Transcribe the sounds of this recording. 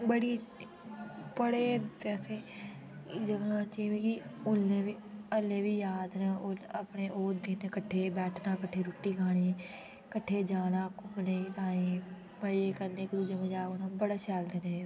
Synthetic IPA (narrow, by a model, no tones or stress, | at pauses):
bəɽiː | pəɽeːt̪ɛseː | d͡ʒəɡãːt͡ʃiːmĩːkiʊlneːʋiːəleːʋiːjaːd̪nãːoəpɽeːʔoːd̪iːnekəʈʰːeːbɛːʈʰnãːkəʈʰːeːɾʊʈːiːkʰaːɽ̃iː | kəʈʰːeːd͡ʒaːnãːkʊmnet̪aːẽː | məd͡ʒeːkəɾneːkd̪ud͡ʒeːmẽd͡ʒaːkonãːbəɽaːt͡ʃaːld̪eːneː